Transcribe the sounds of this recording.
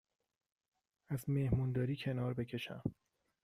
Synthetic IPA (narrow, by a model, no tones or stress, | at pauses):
æzmehmuːnd̪ɒːɾiːcʰe̞nɒːɾbe̞cʰe̞ʃæ̰m